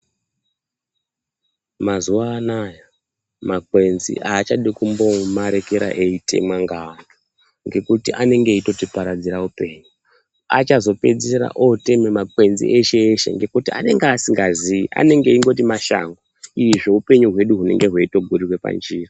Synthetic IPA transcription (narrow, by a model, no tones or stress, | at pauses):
mazuwaːnaja | makwe̞nzḭʔaːt͡ʃaɗikumbo̞maɾe̞keɾa̰ʔe̞itʰe̞̰mwaŋɡano | ŋɡe̞kutiʔane̞ŋɡe̞ito̞tipaɾad͡ziɾaupe̞ːɲu | at͡ʃazo̞pe̞d͡zeɾa̰ʔote̞memakwe̞nzḭʔeʃe̞ːʃe̞̰ŋɡe̞kutia̰ne̞ŋɡaːsiŋɡaziiʔa̰ne̞ŋɡe̞iŋɡo̞timaʃa̰ːŋɡoiʐoupe̞ɲuɦwe̞ɗuɦune̞̰ŋɡe̞ɦweito̞ɡʱuɾirwe̞pa̰nd͡ʒiːra